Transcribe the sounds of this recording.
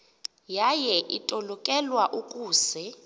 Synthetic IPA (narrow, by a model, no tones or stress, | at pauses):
jajɛʔitʼɔlɔkʼɛlwaʔukʼuːsɛ